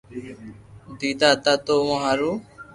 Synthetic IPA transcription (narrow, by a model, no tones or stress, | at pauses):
d̪it̪at̪at̪omɔ̃ɦaɾu